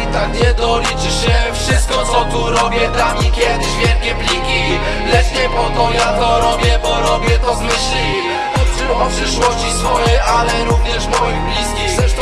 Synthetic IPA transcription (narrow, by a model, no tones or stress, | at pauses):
t̪akɲɛd̪ɔlʲit͡ʂɘɕɛfʂɘst̪̚kɔt̪sɔt̪uɾɔbʲjɛd̪amʲikʲjɛd̪ɘʑvʲjɛlkʲɛplʲikʲi | lɛt͡ʂɲɛpɔt̪ɔjat̪ɔɾɔbʲjɛbɔɾɔbʲjɛt̪ɔzmɘɕlʲi | ɔt̪ʂɘwɔpʂɘʂwɔɕt͡ɕisfɔjɛjʔalɛɾuvɲɛʂmɔjiblʲiskʲi